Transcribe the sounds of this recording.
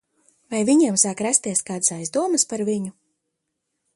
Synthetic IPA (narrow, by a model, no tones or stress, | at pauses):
vajviɲiɛmsaːkɾæst̪iɛskaːd̪sajzd̪uɔmɐspaɾviɲu